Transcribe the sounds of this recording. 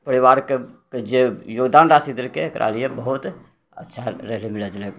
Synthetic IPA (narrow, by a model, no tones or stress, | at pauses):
pəɾiβaɾkeked͡ʒejoɡd̪anɾasid̪elkeːkɾʔa̰lijebəɦut̪ | ə̰tːʃʰaɾəɦlimiləd͡ʒlek